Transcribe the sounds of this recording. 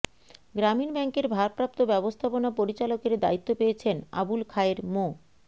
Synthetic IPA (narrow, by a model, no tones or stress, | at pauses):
ɡɾaminbɛŋkeɾbʱaɾpɾap̚t̪obɛbost̪ʰaponapoɾit͡ɕalokeɾd̪a̰it̪ːopejet͡ɕʰena̰bulkʰaeɾmo